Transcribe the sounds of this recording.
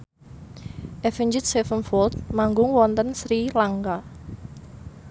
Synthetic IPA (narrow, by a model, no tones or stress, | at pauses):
ʔɛfiɲd͡ʒɪt̪̚sɛfənfɔlt̪̚maŋɡʊŋwɔnt̪ənsɾilaŋɡa